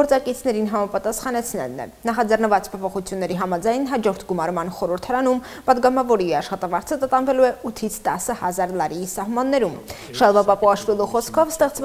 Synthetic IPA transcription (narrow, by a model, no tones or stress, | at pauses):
ɔɾt͡sɑkit͡sʰnɛɾinɦɑmɑpɑt̪ɑsχɑnɛt͡sʰnɛ̰lnɛ̰nɑχɑd͡zɛrnəvɑt͡spʰɔpʰɔχut͡sʰjunːɛɾiɦɑmɑd͡zɑjnɦɑd͡ʒɔɾt̪ʰɡumɑɾmɑnχɔɾəɾt̪ʰɑɾɑnum | pɑd̪ɡɑmɑvɔɾiɑʃχɑt̪ɑvɑɾt͡sʰət̪ət̪ɑnvɛluɛʔut̪ʰit͡sʰt̪ɑsːəhɑzɑɾlɑɾiisɑhmɑnːɛɾum | ʃɑlˠvɑpɑpuɑʃvilˠuχɔskʰɔvst̪ɛχt͡sv